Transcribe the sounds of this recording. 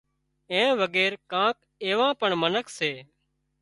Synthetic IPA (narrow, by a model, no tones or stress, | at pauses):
ẽːʋəɠeːɾkãːk̚ | eːʋãːpəɳmənəkʰseː